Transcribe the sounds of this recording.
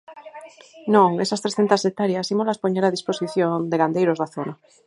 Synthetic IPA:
nõŋesast̪ɾeθent̪asek̚t̪aɾjasimolaspoɲeɾað̞isposiθjond̪eɣand̪ejɾozðaθona

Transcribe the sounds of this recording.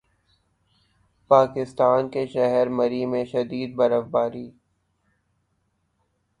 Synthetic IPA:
paːkɪst̪aːnkeʃɛɦɛɾmɐɾimẽʃɐd̪iːd̪̚bɐɾəfbaːɾiː

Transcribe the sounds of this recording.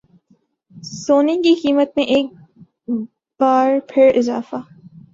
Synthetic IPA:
soːnekiqiːmət̪̚mẽʔeːk̚ | b̥aːɾpʰɪɾɪzaːfaː

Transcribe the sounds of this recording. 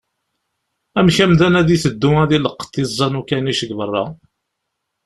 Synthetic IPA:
æmçæmðænæðiθəd̪ːuæðiləqːt̪ːizˤːɑnukæniʃəɡvərˤːɑ

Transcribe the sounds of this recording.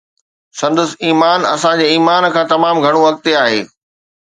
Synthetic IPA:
sɐ̃nd̪əsiːmaːnɐ̰sãd͡ʑeːiːmaːn̆kʰãːt̪ɐmaːmɡʱɐɽ̃oʋɐk̚t̪eaːɦḛː

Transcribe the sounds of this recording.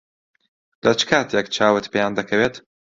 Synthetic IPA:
lʔɐt͡ʃɨ̥kʰaːt̪jɛkt͡ʃʰaːwɨt̪pejaːnd̪ɐkʰɐweːt̪

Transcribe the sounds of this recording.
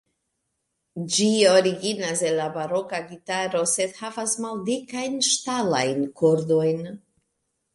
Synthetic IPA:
d͡ʒio̞ɾiɡinaselabaɾo̞kaɡitaɾo̞se̞d̪havasmaldikajnʃtala̰jnkoɾdo̞jn

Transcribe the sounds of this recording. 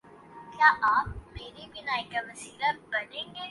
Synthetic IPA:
kjaːʔaːp̚meːɾibɪnaːikaʋɐsiːlabɐnẽːŋɡe

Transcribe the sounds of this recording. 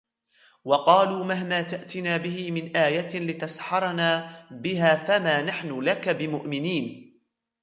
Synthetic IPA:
wɑqɑːluːmaɦmaːt̪aʔt̪ɪnaːbɪhɪmɪnʔaːjat̪lɪt̪asħɑɾˤnaːbɪɦaːfamaːnaħnʊlakabɪmʊʔmɪniːn

